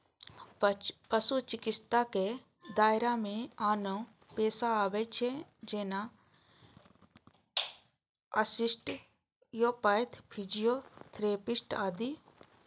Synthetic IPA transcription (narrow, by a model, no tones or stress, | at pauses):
pɐsut͡ʃɪkɪst̪ake | d̪aːjɾamẽaːnõ | peːsaaːbet͡ʃʰed͡ʒeːna | ɐsisʈ | joːpaːjt̪ʰpʰid͡ʒijot̪ʰɾeːpisʈaːd̪i